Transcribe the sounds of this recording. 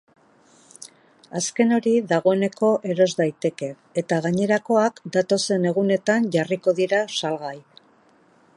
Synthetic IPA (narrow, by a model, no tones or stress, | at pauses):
aske̞no̞ɾiðaɣ̞o̞e̞ne̞ko̞ʔe̞ɾo̞zd̪ajt̪e̞ke̞ːt̪aɣ̞aɲe̞ɾako̞akd̪at̪o̞se̞ne̞ɣune̞t̪anʝariko̞ðiɾasalɣaj